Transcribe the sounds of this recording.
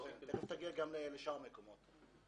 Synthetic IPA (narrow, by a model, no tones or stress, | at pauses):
eχeft̪aɡiaɡamleleʃaamekomot̪